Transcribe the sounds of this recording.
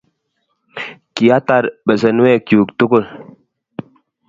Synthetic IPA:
ki˨a˦ta˦˨ɾbə˨sə˨n˦ɛ˦˨kju˨ktu˦ku˦˨l

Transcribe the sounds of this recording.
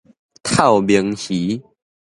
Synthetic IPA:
t̪ʰa˥˨ʊbjə˨˦ŋhi˨˦

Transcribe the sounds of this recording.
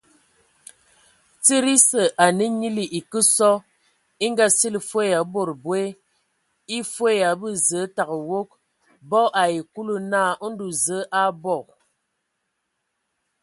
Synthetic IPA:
t͡si˦ɾi˦sə˨ʔa˨nə˦ɲi˦li˨ʔi˨kə˦sɔ˦ | i˦ŋ˦ɡa˦si˦li˨fwe˦ja˨˦bo˨ɾbwe˦ | i˦fwe˦˨ja˨bɨ˦˨zə˨˦ta˨ɣə˨wo˦k̚ | bɔ˦ʔa˨ji˨ku˦lu˦na˦˨ʔo˦n̩˦du˨zə˨˦ʔa˦bɔ˦˨

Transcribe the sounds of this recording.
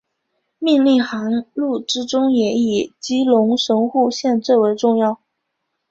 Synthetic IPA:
mi˥˧nli˥˩xa˧˥ŋlu˥˩ʈ͡ʂɻ̩˥ʈ͡ʂʊ˥ŋjɛ˨˧˥i˨˩t͡ɕi˥lʊ˧˥ŋʂɤ˧˥ŋxu˥˧ɕjɛ˥˧nt͡swe˥˩we˧˥ɪʈ͡ʂʊ˥˧ŋjɑ˥˩ʊ

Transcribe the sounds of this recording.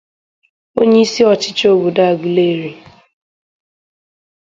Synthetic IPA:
o˦ɲe˦i˦si˦ɔ˨t͡ʃɪ̥˦t͡ʃo˦bu˨da˦a˨ɡu˨le˦˨ɾi˨

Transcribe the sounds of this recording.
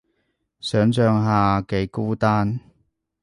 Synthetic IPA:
sœː˨˥ŋt͡ʃœː˨˧ŋɦaː˨ke˨˥jkuː˥t̪aː˥n

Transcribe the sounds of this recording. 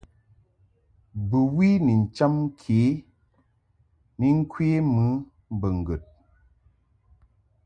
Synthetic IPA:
bɨ˨wi˦ni˨n̩˨t͡ʃa˦mŋ˦kʰe˨˦ | ni˦ŋ̩˦kwe˦mɨ˦ | m˨bə˨ŋ̩˨ɡə˨t̚

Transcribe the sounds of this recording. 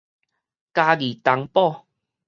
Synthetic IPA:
ka˧ɡi˨˩t̪a˧˦ŋpɔ˥˧

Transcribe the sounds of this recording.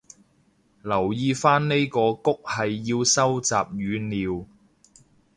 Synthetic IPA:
lɐ˨˩wjiː˧faː˥nne˥jkɔː˧kʊ˥k̚hɐ˨jːiː˧wsɐ˥wt͡sa̰ː˨p̚jyː˨˧niː˨˧w

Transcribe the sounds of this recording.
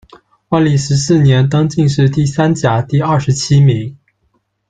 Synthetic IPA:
wa˥˩nli˥˩ʂɻ̩˧˥sɹ̩˥˩njɛ˧˥nt̪ɤ˥ŋt͡ɕi˥˧ŋʂɻ̩˥˧t̪i˥˩sa˥nt͡ɕja˧˥˦t̪i˥˧ɐ˥˩ʂɻ̩˧˥t͡ɕʰi˥mi˧˥ŋ

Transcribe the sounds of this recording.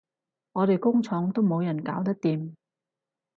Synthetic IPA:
ŋɔː˨˧ɾe˨jkʊ˥ŋt͡sʰɔː˨˥ŋt̪o˥wmo˨˧wjɐ˨˩nkaː˨˥wt̪ɐ˥k̚t̪iː˨m

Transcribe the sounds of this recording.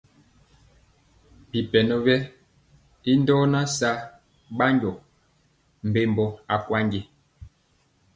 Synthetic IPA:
bi˨pɛ˨nɔ˦bɛ˦ | i˦ndɔː˦na˦sa˦ | ɓa˦ɲɟɔ˨ | m̩˨be˦mbɔ˦a˨kwa˦ŋɡe˦

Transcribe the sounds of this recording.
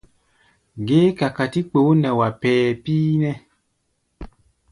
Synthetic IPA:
ɡe˦ka˨ka˨ti˦k͡pe˨o˦nɛ˨wa˨pɛː˨pi˦nɛ̃˦

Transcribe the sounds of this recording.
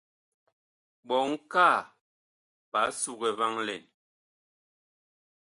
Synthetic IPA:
ɓɔ˨ŋ̩˦ka˦˨ | pa˨˦su˦ɣɛ˨va˦ŋlɛ̰˨n

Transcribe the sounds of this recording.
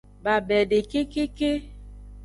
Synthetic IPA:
ba˨bɛ˨de˨ke˦ke˦ke˦

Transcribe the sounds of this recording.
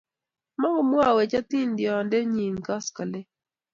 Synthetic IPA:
ma˦ŋɡɔ˦mwa˦˨we˨t͡ʃa˦t̪i˦ndjɔ˨ndɛ˦ɲi˨ŋka˦ska˨lɛ˦

